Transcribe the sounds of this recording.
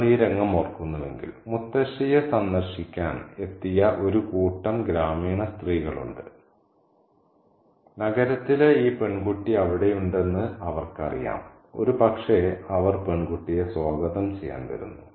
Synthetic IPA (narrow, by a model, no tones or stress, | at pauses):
liːɾɐŋːɐmorkːunːɐʋe̞̰ŋɡḭlmut̪ːɐɕijesɐnd̪ɐrɕikʲːaːne̞t̪ːijɐʔo̞ɾukuːʈːɐmɡɾaːmiːɳɐst̪riːɣɐɭṵɳɖɨ̰ | nɐɡɐɾɐt̪ːileiːpe̞ɳɡuʈːiɐʋiɽe̞juɳɖe̞nːɨɐʋɐrkɨɐ̰rḭja̰ːm | o̞̰ɾupɐkʂeɐʋɐrpe̞ɳɡuʈːijesoːɡɐðɐmt͡ɕe̞jːa̰ːnʋɐ̰ɾṵnːu